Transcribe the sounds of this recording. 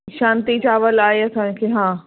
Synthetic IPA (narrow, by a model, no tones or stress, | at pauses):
ʃãːnt̪it͡ɕaːʋəlaːeɐsãːkʰeɦãː